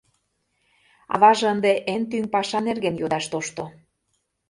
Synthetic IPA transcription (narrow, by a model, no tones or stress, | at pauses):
ɑ̰βɑʒənd̪eʔent̪ynpɑʃɑnerɣenjod̪ɑʃt̪oʃt̪o